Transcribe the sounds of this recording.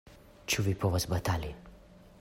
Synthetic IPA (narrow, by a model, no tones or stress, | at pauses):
t͡ʃuvipʰɔvasbat̪ali